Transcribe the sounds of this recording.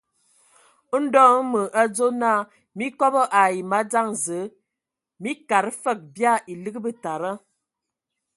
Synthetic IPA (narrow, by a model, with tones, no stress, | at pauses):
n̩˦dɔ˦ŋ˦mə˨ʔa˦d͡zo˦na˦˨ | mi˦kɔ˦bə˦ʔa˨i˨ma˦d͡za˦˨ŋzə˨˦ | mi˦ka˨ɾfə˦˨k̚bja˦˨ʔi˨lə˦ɡə˦bə˦ta˨ɾə˦